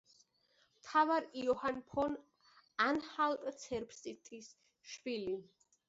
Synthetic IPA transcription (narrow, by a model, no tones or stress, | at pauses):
mt̪ʰavaɾiɔhanpʰɔn | anhalk̪ʼt̪sʰɛɾpʰsʼit̪ʰʼis | ʃbili